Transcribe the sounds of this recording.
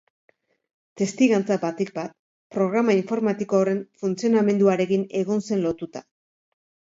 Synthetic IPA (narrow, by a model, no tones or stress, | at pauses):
t̪e̞st̪iɣant͡sabat̪ik̚bat̪̚ | pɾo̞ɣ̞ɾamaiɱfo̞ɾmat̪ikoːre̞ɱfunt͡sio̞name̞nd̪uaɾe̞kine̞ɣ̞o̞nse̞nlo̞t̪ut̪a̰